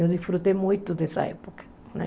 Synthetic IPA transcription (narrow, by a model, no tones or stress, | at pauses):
ewðisfɾut̪ejmujt̪ʊd̪esɐ̰ɛ̰po̥kɐ̥ | nɛ̰̃